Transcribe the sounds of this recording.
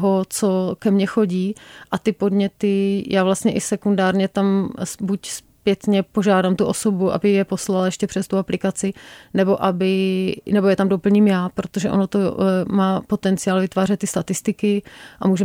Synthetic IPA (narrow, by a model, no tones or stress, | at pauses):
ɦot͡sokɛmɲɛxo̞ɟiːʔat̪ɪpo̞dɲɛt̪ɪjʔaːvlast̪ɲɛʔɪsɛkundaːɾɲɛt̪amsbucspjɛt̪ɲɛpo̞ʒaːdamt̪uʔo̞sobuʔa̰bɪjɛpo̞slaljɛʃcɛpr̥ɛst̪uaplɪkat͡sɪnɛbo̞ʔabɪnɛbojɛt̪amdo̞pl̩ɲimjaːpɾo̞t̪oʒɛʔonot̪omaːpot̪ɛnt͡sɪaːlvɪt̪vaːrɛt̪ːɪst̪at̪ɪst̪ɪkɪʔa̰muːʒɛ